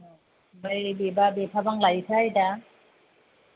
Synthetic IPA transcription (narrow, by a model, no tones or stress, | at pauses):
majbebabepʰabaŋlajtʰajda